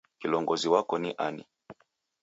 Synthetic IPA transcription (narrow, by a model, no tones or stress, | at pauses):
kilɔŋɡɔziwakɔniʔanḭ